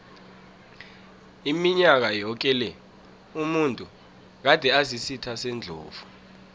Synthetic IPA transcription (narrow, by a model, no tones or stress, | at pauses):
imiɲak̬ajɔk̬ɛlɛ | umuntʼu | k̬ad̥ʱɛazisitʰasɛnd͡ɮʱo̰ːvu